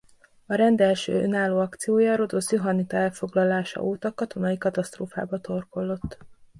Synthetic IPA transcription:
ɒɾɛnd̪ɛlʃø̰ːønaːlːoːɒkt̪sijoːjɒːɾo̞d̪osjoɦɒnit̪ɒɛlfo̞ɡlɒlaːʃɒ̰ʔoːt̪ɒkɒt̪o̞nɒjikɒt̪ɒst̪roːfa̰ːbɒt̪o̞rko̞lːo̞t̪ː

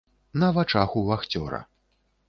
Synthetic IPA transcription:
nɐvat͡ʂaxuvaxt͡sʲɔ̰ɾɐ̰

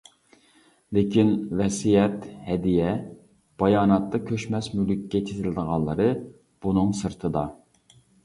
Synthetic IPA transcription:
lɪkʲinvɛsijɛt̪hɛd̪ijɛ | b̥ɑjɑːnɑt̪ːɑkʲʰøʃmɛsmylykʲːɛt͡ʃʰezɪlɪd̪əʁɑnlˠəɾɨ | b̥unɨŋsɨɾt̪ʰɨd̪ɑ

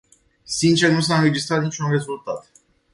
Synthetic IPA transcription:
sint͡ʃernus̬aɨnɾe̞d͡ʒist̪ɾat̪nit͡ʃʲunre̞zult̪at̪

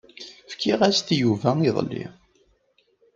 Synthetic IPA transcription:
fkiʁæst̪juvæiðˤlːḭ

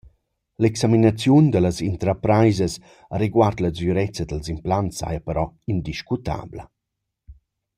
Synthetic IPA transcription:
lɛksaminat͡sjund̪ələzint̪ɾapɾajzəs | aɾiɡwart̪ləd͡zyɾɛt͡səd̪əlzimplantsa̰japəɾɔind̪iʃkut̪a̰blə

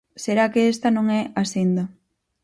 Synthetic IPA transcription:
seɾakeest̪anõŋɛasend̪ɐ

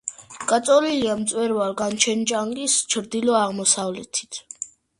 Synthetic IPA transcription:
ɡ̥ʼat̪sʼɔliliamt̪sʼwɛɾvaɾɡant͡ʃʰɛnd͡ʒaŋkʼist͡ʃʰɾd̪ilɔaʁmɔsavlɛt̪ʰi̥t̪ʰ

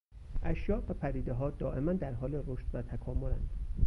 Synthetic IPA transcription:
ʔæʃjɒːʔbæpʰæd̪iːd̪eɦɒːd̪ɒːʔe̞mænd̪æɾɦɒːleroʃt̪væt̪ʰækʰɒːmolænd̪̥

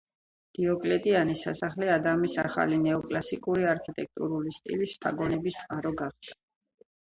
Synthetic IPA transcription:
d̪̥iɔkʼlɛt̪ʼianisa̰saχlɛad̪amisa̰χa̰linɛɔkʼlasikʼuɾiaɾkʰit̪ʼɛk̚ʰt̪ʼṵɾulist̪ʼḭlisp̪ʰaɡɔnɛbist̪sʼqʼaɾɔɡaχd̪ḁ

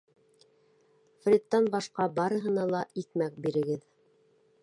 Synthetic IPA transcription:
frʲit̪ːɑnbɑʃqɑbɑɾɤ̆ɦɤ̆nɑlˠɑiθmæk̚biɾɘ̆ɡɘð

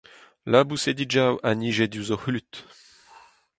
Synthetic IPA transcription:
labused̪id͡ʒawʔaniʒed̪juzɔxlyt̪

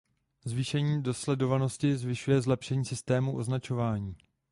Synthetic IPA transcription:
zviːʃɛɲiːdo̞slɛdo̞vano̞scɪzvɪʃujɛzlɛpʃɛɲiːsɪst̪ɛːmuʔo̞znat͡ʃo̞vaːɲiː

